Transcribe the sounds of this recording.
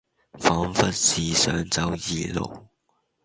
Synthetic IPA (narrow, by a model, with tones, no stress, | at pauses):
fɑ˨˥nfɐ˥t̚siː˨˩sœː˨˥ŋt͡sɐ˧˥wji˨˩lo̰˨˩w